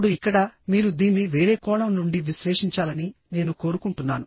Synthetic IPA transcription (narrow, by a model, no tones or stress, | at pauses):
ɽuikːɐɽɐmiːɾud̪iːnːiʋe̞ːɾe̞ːkɔːɭɐmnuɳɖiʋiʃɾeːʂiɲt͡ʃaːlɐnine̞ːnuko̞ːɾukuɳʈunːaːnu